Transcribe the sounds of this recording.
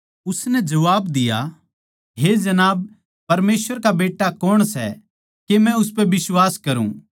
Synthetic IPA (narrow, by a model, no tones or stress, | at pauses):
ʊsnɛd͡ʒɐʋaːbd̪ɪja̰ | ɦed͡ʒɐnaːb̚ | pɐɾmeːsʋəɾkabeːʈːakɔːɽ̃sɛ̰ | kemɛ̃ʊspɛʋɪswaːskɐɾṵ̃ː